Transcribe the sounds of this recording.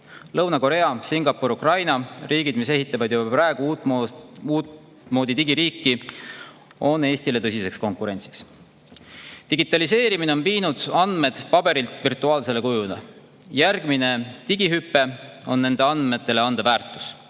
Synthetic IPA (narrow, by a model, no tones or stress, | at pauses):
lɤwnɑko̞ɾe̞ɑsiŋɡ̥ɑpːuɾukrɑjnɑriːɡid̪mise̞ɦit̪ːˑɑvɑd̪jubɑɑprɑeɡ̥uuː | uː | mo̞ːd̪it̪iɡiɾiːkːˑi | o̞ne̞ːst̪ile̞t̪ɤsʲise̞ksko̞ŋkˑuɾe̞nʲt̪si̥ks | d̪̥iɡ̥it̪ːˑɑlise̞ːɾimineo̞nviːnud̪̥ɑnd̪̥me̞d̪̥pɑb̥e̞ɾilt̪virt̪ːˑuɑːlse̞le̞kujud̪ɑ̰ | jærɡ̥mine̞t̪iɡ̥iɦypːe̞o̞̰nːe̞nd̪e̞ɑnd̪me̞t̪ːˑe̞le̞ɑnd̪̥evæːrt̪ːˑu̥s